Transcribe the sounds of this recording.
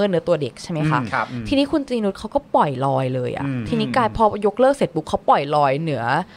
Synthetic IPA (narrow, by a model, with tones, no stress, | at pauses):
ɤː˥˩nɯ˩˦ɐ˦t̪u˧ɐde˨˩k̚t͡ɕʰa˥˩jma˦˥jxʰa˦˥ʔʰt̪ʰiː˧niː˦˥kʰu˧nt͡ɕ̪ɾiː˧nu˦t̪̚kʰa˦˥wkɔː˥˩pɔ˨˩jlɔː˧jlɤː˧jʔa̰˨˩t̪ʰiː˧niː˦˥kaː˧jpʰɔː˧jo˦˥k̚lɤː˥˩k̚se˨˩t̪̚bu˦˥kʰːa˦˥wpɔ˨˩jlɔː˧jnɯ˩˦ɐ